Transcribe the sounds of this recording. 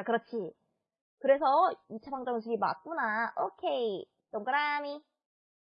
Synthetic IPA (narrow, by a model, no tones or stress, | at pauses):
akɯɾʌt͡ɕʰi | kɯɾe̞sʰʌit͡ɕʰapaŋd͡ʑʌŋɯsʰuɡima̰t̚k͈unaʔokʰe̞i | t͡ɕoŋɡɯɾami